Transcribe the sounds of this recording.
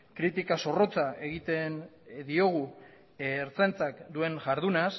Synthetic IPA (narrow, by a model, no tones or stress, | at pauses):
kɾit̪ikaso̞ro̞t͡saeɣit̪end̪io̞ɣ̞u | eɾt͡sent͡sakd̪ue̞nʝaɾðunas